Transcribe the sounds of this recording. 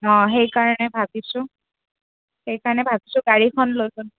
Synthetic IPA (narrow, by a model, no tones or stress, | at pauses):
ɔ̃xejkaɹɔnɛbʱabisʊ̃ | xejkaɹɔnɛbʱabisʊɡaɹikʰɔnlojbʊn